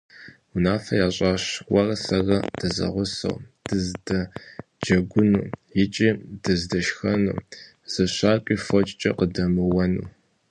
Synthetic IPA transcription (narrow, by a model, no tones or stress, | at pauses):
unaːfɐjaːɕʼaːɕwɐrɐsɐɣɐd̥ɐzɐ̰ʁʷʊsɐ̰wd̥ɨzdɐd͡ʒɐɡʷʊnuːjɪt͡ʃʼiːdɨzdɐʃxɐnṵː | z̥ɐɕaːkʷʼiːfɐt͡ʃʼt͡ʃʼɐ̰qədɐmɨwɐnṵː